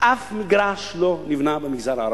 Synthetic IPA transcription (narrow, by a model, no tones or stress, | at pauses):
afmiɡɾaslonivinabamiɡzaɾaɾ